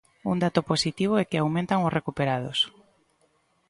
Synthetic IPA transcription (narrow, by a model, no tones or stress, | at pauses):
ṵnd̪at̪ʊposit̪iβ̞oɛkɪawmẽnt̪aŋʊsrekupeɾað̞ʊ̰s